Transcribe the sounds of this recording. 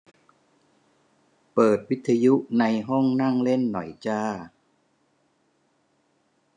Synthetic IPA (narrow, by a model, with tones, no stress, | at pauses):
pɤː˨˩t̪̚wi˦˥t̪ʰːa˧ju˦˥ʔna˧jɦɔ˥˩ŋna˥˩ŋle˥˩nːɔ˩˦jt͡ɕaː˧˩